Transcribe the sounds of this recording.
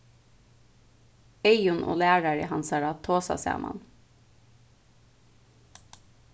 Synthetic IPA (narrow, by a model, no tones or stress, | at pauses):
eɪʊnʔo̰ːlæːɹəɹəhɑnsɑːɾɑːt̪ʰoːsɑ̰sæ̰ːmʔɑ̰n